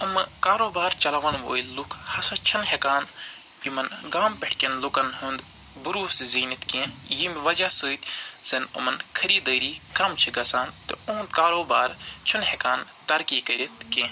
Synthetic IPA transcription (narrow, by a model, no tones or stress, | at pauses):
ɐmɨkaːɾoːbaːɾt͡ʃɐlɐʋɐnʋo̰ːjlukʰhɐsɐt͡ʃʰɐnɦekaːn | imɐnɡaːmpeʈʰkʲenlukɐnɦũnd̪ | buɾuːsziːnit̪kẽjimʋɐd͡ʒasɨːt̪ʲzɐnɐ̰mɐnkʰɐɾiːd̪əːɾiːkɐmt͡ʃʰiɡɐsaːnt̪ɨuːnd̪kaːɾoːbaːɾt͡ʃʰunhekaːnt̪ɐɾkiːkɐɾʲit̪kẽː